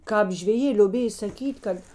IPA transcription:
ˈkɑːp ʒʲʋʲɛˈjeː lʲoːˈbʲeːj sɐˈkʲiːtʲ ˈkɐt

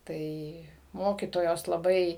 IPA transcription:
ˈtɐɪ ˈmoːkʲiːtoːjoːs lˠɐˈbɐɪ

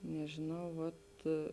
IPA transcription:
nʲɛʒʲeːˈnɐʊ ʋɐt

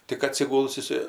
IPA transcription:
tʲɪk ɐtʲsʲɪˈɡʊlˠs ɪˈsɐɪ

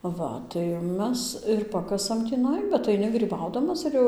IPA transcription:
ˈʋɐ tɐɪ ˈmʲɛs ɪr ˈpɑːkɐsɐm tʲiːˈnɐɪ bʲɛt ɐɪˈnʲɪ ɡrʲiːˈbɐʊdɐmɐs ɪr ˈjɛʊ

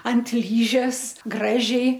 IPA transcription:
ɐnt ˈlʲiːʒʲɛs ˈɡrɑːʒʲɛɪ

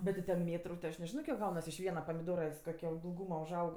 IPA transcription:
ˈbʲɛt tʲɪ tʲɛn ˈmʲeːtrʊ tʲɪ ɐʃ nʲɛˈʒʲɪnoː kʲiɛk ˈɡɐʊnɐs ɪʃ ˈʋʲiɛnɐ pɐmʲɪˈdoːrɐ ˈɪs koːˈkʲoː ɪlˠˈɡuːmɐ ʊʒˈɐʊk

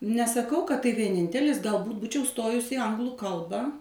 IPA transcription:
nʲɛsɐˈkɐʊ kɐt tɐɪ ʋʲiɛˈnʲɪnʲtʲɛlʲɪs ɡɐlˠˈbuːt ˈbuːt͡ʃʲɛʊ ˈstoːjʊs ɪ ˈɐŋɡlˠʊ ˈkɐlˠbɐ

